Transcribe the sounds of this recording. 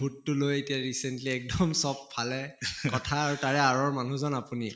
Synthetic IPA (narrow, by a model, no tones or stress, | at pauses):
bʱutːʊlojetijaɹisentliɛk̚dɔmsɔppʰːalɛkɔtʰaːɹutaɹɛaɹɔɹmanuzɔnapuni